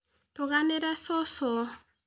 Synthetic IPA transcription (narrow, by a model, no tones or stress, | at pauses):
t̪oɣaneɾasɔsɔ